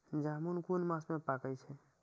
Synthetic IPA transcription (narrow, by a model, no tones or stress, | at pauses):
d͡ʒamunkunmãsmepakɛt͡ʃʰɛ